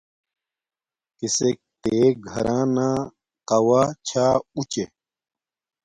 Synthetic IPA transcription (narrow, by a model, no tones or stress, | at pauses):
kisek̚t̪eːɡʱɐ̰ɾʔãːnãː | qɐwaːt͡ɕʰaːut͡ɕe